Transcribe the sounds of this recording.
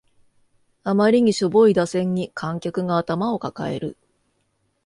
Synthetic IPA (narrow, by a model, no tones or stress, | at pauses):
amaɾʲiɲ̟iɕobo̞id̪asẽ̞ɲ̟ːikʰãŋkʲakɯ̟ɡaːt̪amao̞kaka̰e̞̰ɾɯ̟